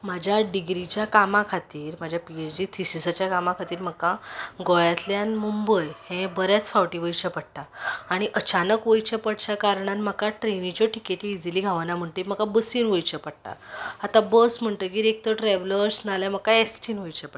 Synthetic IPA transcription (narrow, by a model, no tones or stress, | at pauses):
mad͡ʑʱjaɖiɡɾit͡ɕjakamãkʰat̪iːɾmad͡ʑʱjapied͡ʑd͡ʑiːt̪ʰisisat͡ɕjakamakʰat̪iːɾm̤əkːaɡɔjat̪ljanmumbəjhɛ̃bəɾjat͡sfaʋʈiʋəjt͡ɕapəɽt̪aaɽ̃iʔət͡ɕanəkʋəjt͡ɕapəɽt͡ɕakaɾɳanməkaʈɾenit͡ɕɔʈikeʈiːd͡ziliɡʱaʋanam̤əɳʈ̪əm̤əkabəsiːnʋojt͡ɕapəɽ̚t̪a̰at̪ãbəsm̤əɳʈəkiɾek̚t̪oʈɾɛʋləɾsnaljam̤əkaesʈinʋəjt͡ɕapə